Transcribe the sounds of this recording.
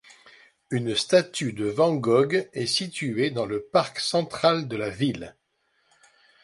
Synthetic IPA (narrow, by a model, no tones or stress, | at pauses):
ynst̪at̪yd̪əvɑ̃ɡɔɡɛsit̪yed̪ɑ̃ləpaʁksɑ̃t̪χald̪əlavil